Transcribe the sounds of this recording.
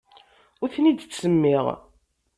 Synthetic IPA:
ʊθnid̪t͡sːəmːɪʁ

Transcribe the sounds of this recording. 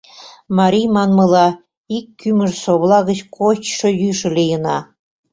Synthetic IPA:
mɑɾʲijmɑnmɤ̆lɑ | ikːyməʒsoβlˠɑɣət͡ɕkʰot͡ɕʃŏjyʃə̆lʲejənɑ

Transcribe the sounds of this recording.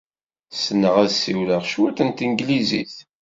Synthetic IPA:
sənːəʁæðsiwləʁʃwæθənt̪iŋɡliziθ

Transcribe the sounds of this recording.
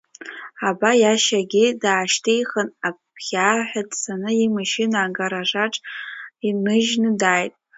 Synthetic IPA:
abajaʃaɡʲɪdaːʃtʰejχənapʰχʲaħʷᶣadʼsanɨimaʃɪnaːɡaɾaʐaʈ͡ʂʼinɨʒnɨdaːjtʼ

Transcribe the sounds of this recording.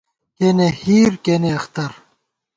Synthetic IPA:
kenehiːɾkeːneɐxt̪ɐɾ

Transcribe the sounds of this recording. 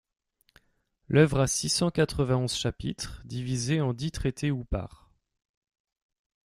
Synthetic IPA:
lʔœvʁasisɑ̃kat̪χəvɛ̃ɔ̃zʃapit̪χd̪ivizeɑ̃d̪it̪χet̪ʰeupa̰ːʁ

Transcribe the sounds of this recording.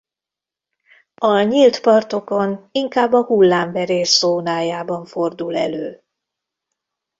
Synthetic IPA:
ɒɲilt̪pɒrt̪o̞ko̞niŋkaːbːɒhulːaːɱvɛɾeːʃz̥oːnaːjaːbɒɱfo̞rd̪ulɛ̰løː

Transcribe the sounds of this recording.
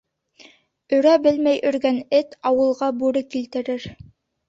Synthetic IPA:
ɵ̆ɾæbɘlmæjʔɵ̆ɾɡænɘt̪ɑwɤ̆lˠʁɑbuɾɤkilt̪ɘ̆ɾɘɾ

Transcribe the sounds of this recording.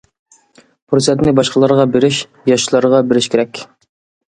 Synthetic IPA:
pʰɾosɛt̪nɪbɑʃqəlˠɑɾʁɑbɪɾɪʃ | jɑʃlˠɑɾəʁɑbɪɾɪʃkʲeɾɛkʲ

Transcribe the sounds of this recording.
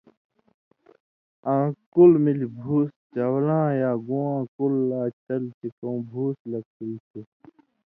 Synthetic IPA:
ãːkulmilbʱuːst͡ɕɐwlãːjaːɡũwãːkulːaːt͡ɕɐlt͡ɕikõw̃bʱuːslɐɡ̚tilte

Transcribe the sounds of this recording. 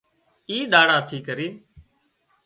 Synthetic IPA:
iːɗ̪aːɽaːt̪ʰiːkəɾiː

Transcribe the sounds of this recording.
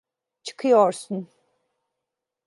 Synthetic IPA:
t͡ʃʰɯ̥kʰɯjoɾsun

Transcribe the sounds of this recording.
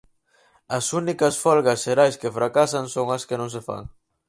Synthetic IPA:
ɐsunikɐsfɔlɣɐsʃeɾajskefɾakasɐŋsoŋɐskɪnõŋs̬efa̰ŋ

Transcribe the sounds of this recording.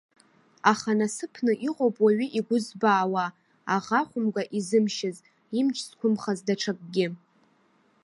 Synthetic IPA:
aχanasɨpʰnɨʔiqʼowpʼwaɥiʔiɡʷʊzbaːwaː | ʁaχʷʊmɡʷaʔizɨmʃɪz | imt͡ʃʰʼskʷʰʊmχazdaʈ͡ʂʰak̚ʼɡʲɪ

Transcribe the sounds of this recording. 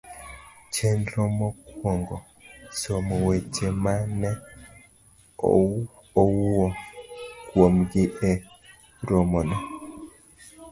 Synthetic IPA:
t͡ʃɛnɾɔmɔkwɔŋɡɔ | somwet͡ʃemanɛ | owɔkwomɡɪʔɛ | ɾomɔnɔ

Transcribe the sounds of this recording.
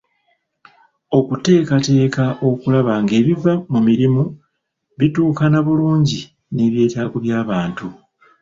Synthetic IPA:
o̞kute̞ːkate̞ːkaʔo̞kulaβaŋɡe̞ːβivamumiɾimu | βituːkanaβuluːɲɟi | ne̞βje̞ːtaːkuβjaːβaːntu

